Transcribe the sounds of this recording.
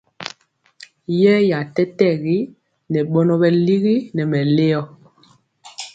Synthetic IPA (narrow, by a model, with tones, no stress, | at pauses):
jɛ˦ja˨tɛ˦tɛ˦˨ɣi˦ | nɛ˨ɓɔ˦nɔ˦ɓɛ˨li˦ɣi˦nɛ˨mɛ˨le˦ɔ˨